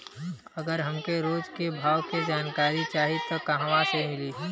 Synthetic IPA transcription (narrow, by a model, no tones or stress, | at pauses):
ɐɡəɾɦɐmkeɾoːd͡ʒkebʱaːwked͡ʒaːnkaːɾit͡ʃaːɦit̪okɐɦãʋasemɪliɦ